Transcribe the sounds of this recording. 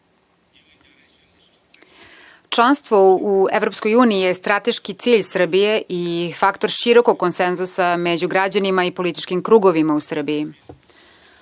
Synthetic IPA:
t͡ʃlˠanst̪ʋouevɾo̞pskojuːniijest̪ɾat̪e̞ʃkit̪siːʎsr̩bije̞ʔifakt̪oɾʃiɾo̞ko̞ɡ̚kːonsenzusamed͡ʑuɡɾad͡ʑanimaipo̞lit̪i̥t͡ʃkimkɾuːɡoʋimausr̩biji

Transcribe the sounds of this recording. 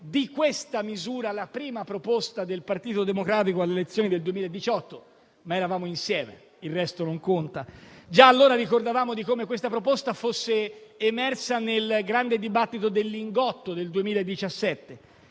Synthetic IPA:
d̪ikwest̪amizuːɾalapɾiːmapɾopost̪ad̪elpart̪iːt̪od̪emokɾaːt̪̬ikoalːelet̪sːjoːnid̪eld̪uemiːlaed̪ːit͡ʃɔt̪ːo | maeɾavaːmoinsjɛːmḛ | ilrɛst̪onoŋkont̪ad͡ʒaːlːoːɾaɾikord̪avaːmod̪ikomekwest̪apɾopost̪afosːeːmɛrsanelɡɾand̪ed̪ibat̪ːit̪od̪elːiŋɡɔt̪ːod̪eld̪uemiːlaed̪ːit͡ʃasːɛt̪ːe

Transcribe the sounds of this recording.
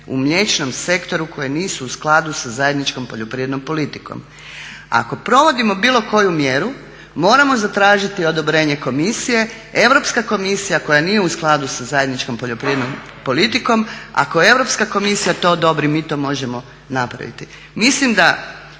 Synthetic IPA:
ṵmʎe̞t͡ʃno̞mse̞kt̪o̞ɾukʰo̞jeniːsuːsklˠad̪usazaje̞d̪nit͡ʃko̞mpo̞ʎopɾijed̪nompo̞lit̪i̥ko̰m | a̰ko̞pɾo̞ʋo̞d̪imo̞biːlˠo̞ko̞jumjeɾu | mo̞ːɾamo̞zat̪ɾaːʒit̪io̞d̪o̞bɾe̞ːɲe̞ko̞misije̞ | e̞ʋɾo̞pskako̞misijako̞janiːje̞usklˠad̪usazajed̪nit͡ʃko̞mpo̞ʎo̞pɾijed̪nom | po̞lit̪iko̞ma̰kojee̞ʋɾopskako̞misijat̪o̞ːd̪o̞bɾimiːt̪o̞ːmo̞ʒe̞mo̞ | napɾa̰ʋḭt̪i | mislimd̪a

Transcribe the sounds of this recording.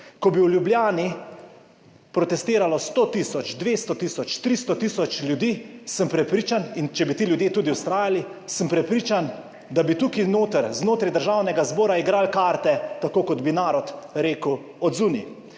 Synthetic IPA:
kɔbiwljubljaːni | pɾɔt̪ɛst̪eːɾalɔst̪ot̪isɔt͡ʃd̪ʋeːst̪ɔt̪iːsɔt͡ʃt̪ɾist̪ɔt̪iːsɔt͡ʃlʲjud̪iːsəmpɾɛpɾiːt͡ʃanint͡ʃɛbit̪iːljud̪jet̪uːd̪iwst̪ɾaːjalisəmpɾɛpɾiːt͡ʃan | d̪abit̪ukinoːt̪əɾznoːt̪ɾajd̪əɾʒawnɛɡazbɔːɾaiɡɾaːlkaːɾt̪ɛt̪akoːkɔd̪binaːɾɔt̪ɾeːkəw | ɔd̪zunḭ

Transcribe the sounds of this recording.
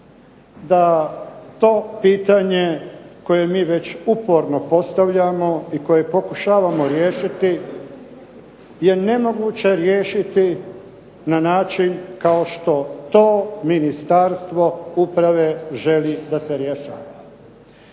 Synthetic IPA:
d̪a | t̪o̞ːpiːt̪aɲeko̞je̞miːʋe̞t͡ɕupo̞ɾno̞po̞st̪aʋʎamo̞iko̞je̞po̞kuʃaːʋamoɾjeːʃit̪i | je̞ne̞mo̞ɡuːt͡ɕe̞ɾjeːʃit̪i | nanaːt͡ʃinkaoʃt̪o̞t̪oːminist̪aɾst̪ʋo̞upɾaʋe̞ʒe̞lid̪aseɾjeʃa̰ːʋa

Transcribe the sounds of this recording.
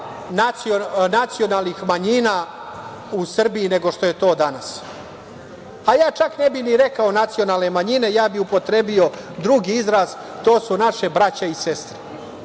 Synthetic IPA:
nat̪sionat̪sio̞nalˠnixmaɲinaː | usr̩bijine̞ɡo̞ʂt̪o̞je̞t̪o̞ːd̪anas | ajaːt͡ʃakne̞biniɾe̞kaonat̪sio̞naːlne̞maɲine̞jaːbiupo̞t̪ɾe̞bio̞ | d̪ɾuɡiizɾaːz̥ | t̪o̞ːsunaʃebɾat͡ɕaisest̪ɾe̥

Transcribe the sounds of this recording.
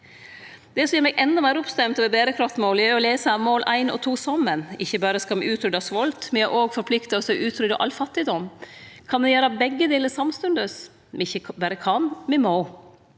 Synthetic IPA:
d̪̥ɛsɔjɛːɾmɛɡʔɛnd̪ɑmæːɾɔpst̪ɛmt̪ɑʋɛbeːɾəkʰɾɑft̪moːljæːɔleːsəmoːlʔæɪnɔ̰t̪ʰuːsɔmənɪçːəbɑːɾəskɑmɛʔʉːt̪ʰɾʏd̪ɑsʋɔlt̪mɛnæʔoːɡfɔɾpʰlɪkt̪ɑɔsɔʔʉːt̪ʰɾʏd̪ɔ̰ʔɑ̰lfɑt̪ːɪd̪ɔmkʰɑnmɛjøːɾɑbɛɡːəd̪eːləsɑmst̪ʉnd̪əs | mɪçːəbɑːɾəkʰɑnmɛmoː

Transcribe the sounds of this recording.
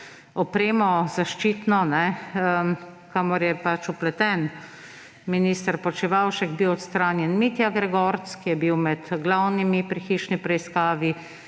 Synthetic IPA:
ɔpɾeːmɔzaʃt͡ʃiːt̪nɔnɛə | kamɔɾjɛpat͡ʃuplɛt̪ɛn | miniːst̪əɾpɔt͡ʃiʋawʃɛɡbiwɔt̪st̪ɾaːnjɛnmit̪jaɡɾɛɡɔɾt̪skijɛbiwmɛt̪ɡlawnimipɾixiʃnipɾɛiskaːʋi

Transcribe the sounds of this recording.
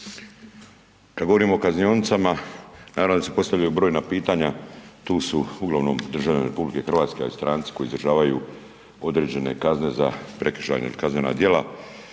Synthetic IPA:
kad̪ɡo̞ʋo̞ɾiːmo̞ːkaznijo̞nt̪samanaːaʋnod̪asepo̞st̪aʋʎajubɾo̞ːjnapiːt̪aɲat̪uːsuuɡlˠaʋno̞md̪r̩ʒaʋlʎaneɾepublike̞xr̩ʋaːt̪skea̰list̪ɾaːnt̪si̥ko̞jiːzɾrʒaːʋaju | o̞d̪ɾe̞d͡ʑe̞ne̞̰kazne̞za̰pɾeki̥ʃa̰ːɲeḭlikazme̞na̰d̪je̞la

